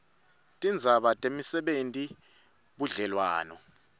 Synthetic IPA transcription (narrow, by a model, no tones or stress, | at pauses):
tʼind͡zʱaɓatʼemisɛɓentʼi | ɓuɮɛlwa̰ːnɔ̰